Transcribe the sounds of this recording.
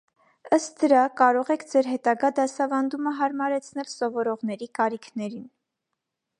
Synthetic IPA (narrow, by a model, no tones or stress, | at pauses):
əst̪̚d̪əɾɑkɑɾɔʁɛkʰd͡zɛɾɦɛt̪ɑɡɑd̪ɑsɑvɑnd̪uməɦɑɾmɑɾɛt͡sʰnɛlsɔvɔɾɔʁn̪ɛɾikɑɾikʰnɛɾin